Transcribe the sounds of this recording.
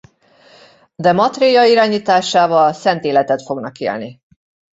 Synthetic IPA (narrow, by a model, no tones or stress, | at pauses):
d̪ɛmɒt̪rejɒiɾaːɲiːt̪aːʃaːvɒlsɛnt̪eːlɛt̪ɛt̪fo̞ɡnɒkḛːlni